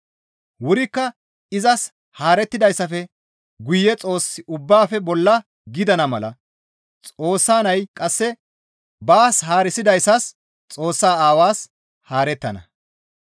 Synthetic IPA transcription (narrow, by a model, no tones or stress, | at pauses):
wʊɾɪkːɐ | ɪzɐs | haːɾɛt̪ːɪd̪ɐjsːɐfɛ | ɡʊjːɛt͡sʼo̞ːsːɪʔʊbːaːfɛbɔlːɐ | ɡɪd̪ɐnɐmɐlɐ̰ | t͡sʼo̞ːsːaːnɐjkʼɐsːɛ | baːshaːɾɪsɪd̪ɐjsːɐs | t͡sʼo̞ːsːaːaːwaːs | haːɾɛt̪ːɐnɐ̰